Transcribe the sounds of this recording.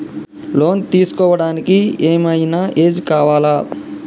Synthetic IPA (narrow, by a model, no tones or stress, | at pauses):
loːnt̪iːskɔːʋɐɽaːnikieːmɐjnɐʔeːd͡ʒikaːʋaːlaː